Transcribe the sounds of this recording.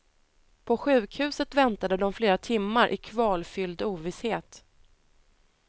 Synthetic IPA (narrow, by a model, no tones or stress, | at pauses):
pʰɔɧʉ̟ːkhʉ̟ːsət̪vɛnt̪ad̪əd̪ɔmfleːɾat̪ʰɪmːaɾʔɪ̰kʰvɑːlfʏld̪uːvɪsheːt̪